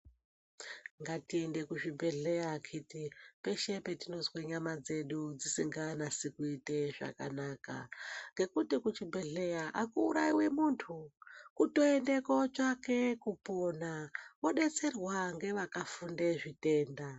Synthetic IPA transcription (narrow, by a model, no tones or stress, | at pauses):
ŋɡatiende̞kuʐibʱe̞ɮe̞jakʰitipe̞ʃe̞pe̞tino̞zweɲamad͡ze̞ɗud͡zisiŋɡanasikuite̞ʐa̰ka̰naːka̰ŋɡe̞kutikut͡ʃibʱe̞ɮe̞jaʔakuːɾaiwe̞muntʰukuto̞ende̞kot͡ʃake̞kuponawo̞ɗe̞t͡se̞rwaŋɡe̞ʋakafundeʐite̞ːnda